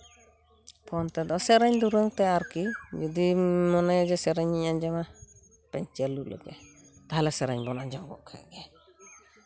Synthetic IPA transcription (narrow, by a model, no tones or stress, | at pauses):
pʰɔnt̪ɛd̪ɔsɛɾaɲd̪uɾəŋt̪ɛaɾkid͡ʒɔd̪imɔnajad͡ʒɛsɛɾaɲːiɲand͡ʒama | pɛɲt͡ʃɛlulɛ̰ɡɛ̰ | t̪aɦalɛsɛɾaɲbɔnand͡ʒɔŋɡɔ̰ʔkʰa̰jɡɛ